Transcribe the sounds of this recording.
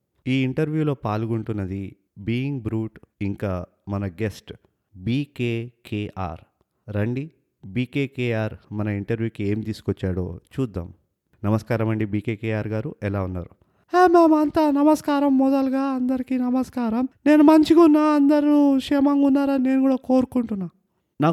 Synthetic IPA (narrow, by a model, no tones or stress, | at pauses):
iːiɳʈɐɾʋjuːlo̞ːpaːluɡuɳʈunːɐd̪i | biːiŋɡbɾuːʈiŋkaː | mɐnɐɡesʈ | biːkeːkʰeːʔa̰ːɾ | ɾɐɳɖi | biːkeːkeːaːɾmɐnɐiɳʈɐɾʋjuːkie̞ːmit̪iːsu̥kɔt͡ʃːaːɽo̰ːt͡ʃuːd̪ːa̰ːm | nɐmɐskaːɾɐmɐɳɖibiːkeːkeːaːɾɡaːɾuʔɛlaːunːaːɾu | eːmeːmɐnt̪anɐmɐskaːɾɐmːɔd̪ɐlɡaːɐnd̪ɐɾikinɐmɐskaːɾɐmne̞ːnumɐɲt͡ʃikunːaːɐnd̪ɐɾukʂɛmɐŋɡunːaːɾɐnne̞ːnuɡuːɽaːko̞ːɾukuɳʈunːaː | naː